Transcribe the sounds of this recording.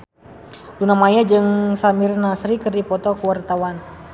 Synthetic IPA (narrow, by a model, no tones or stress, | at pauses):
lunamajad͡ʒɨŋsamirnasɾikɨrdipɔt̪ɔkəwart̪awan